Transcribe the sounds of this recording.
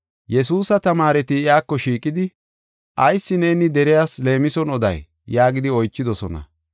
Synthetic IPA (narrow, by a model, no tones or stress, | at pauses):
jɛs̬uːsɐt̪ɐmaːɾɛt̪ɪɪaːkːɔʃiːkʼːɪd̪ɪ | ʔɐjsːɪne̞ːnɪd̪ɛɾɪjaːsle̞ːmɪsɔnɔd̪ɐ̰j | jaːɡɪd̪ɪɔjt͡ʃːɪd̪ɔsɔ̰nɐ̰